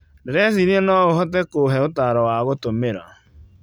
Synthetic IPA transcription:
neɾɛsiniɛnɔɣoɦɔtɛkoɦɛotaːɾɔwaɣotomeɾa̰

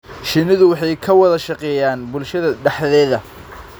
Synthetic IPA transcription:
ʃɪnɪðʊwɑħɑjkʰɐwɑðɐʃɑqɛːjaːnbʊlʃɐðɐɖɛħðɛːðɐ

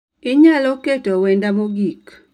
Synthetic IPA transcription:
ɪɲaloketowendamoɡik

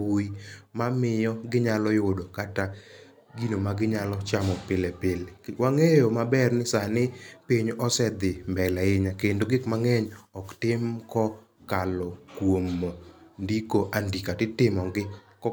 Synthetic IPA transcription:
uimamɪjɔɡɪɲalɔjʊdokata | ɡinomaɡɪɲalɔt͡ʃamɔpɪlɛpɪlewaŋejɔmabɛrnɪsanɪpiɲɔsɛd̪ɪmbɛlaɪɲakendoɡɪkmaŋɛɲɔktɪmkɔ | kalɔkwomndikoʔandikatɪtɪmɔɡɪkɔ

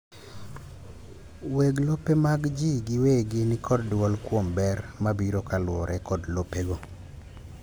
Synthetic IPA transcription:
weɡlopemaɡd͡ʒiɡɪweɡɪnɪkʰɔddwɔlkwombɛrmabiɾokalwɔɾʔɛkɔdlopeɡo

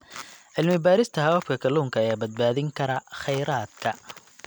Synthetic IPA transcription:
ʔɪlmɪbaːɾɪst̪ʰɐɦɐwɐfkʰɐkʰɐlːuːŋkʰɐːjaːbɐd̪̚baːðɪŋkʰɐɾɐχɛjɾaːd̪kʰɐ

